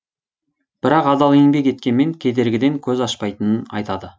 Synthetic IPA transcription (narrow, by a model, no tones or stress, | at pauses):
b̥ɪɾɑqɑd̪ɑlˠeŋbe̞kʲe̞t̪̚kʲe̞nme̞ŋkʲʰe̞d̪e̞ɾɡʲɪd̪e̞ŋkʲʰɵzɑʃpɑjt̪ənənɑ̰jt̪ɑd̪ə